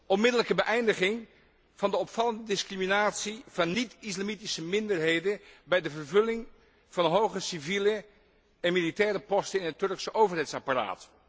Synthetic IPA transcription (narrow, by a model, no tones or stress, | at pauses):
ʔɔnmɪdələkəbəʔɛjndəχɪŋ | v̥ɑndəɔpfɑləndədɪskriminaːtsiv̥ɑnːitɪslamitisəmɪndəɹɦejdəbɛjdəvəɹvɵlɪŋ | v̥ɑnɦowχəsivilə | ɛnmilitɛːɾəpɔstənɪnɦətːɵɹksəʔowvərɦɛjtsɑpara̰ːt